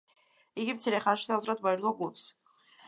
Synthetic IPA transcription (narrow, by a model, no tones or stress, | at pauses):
iɡimt̪sʰiɾɛχanʃi̥sʰalˠt̪ʰɾat̪mɔɛɾɡɔɡulˠs